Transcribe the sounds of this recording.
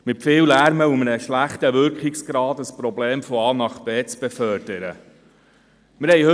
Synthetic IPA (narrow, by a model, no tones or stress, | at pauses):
mɪtfɪːwlæɾməumənəʃlæχtəʋʏɾkχɪksɡ̥ɾɑːd̪əspɾɔbleːmfɔɑːnɑχt̚b̥ɛːt͡sb̥efœːɾd̥əɾə | mɪɾhɛjhø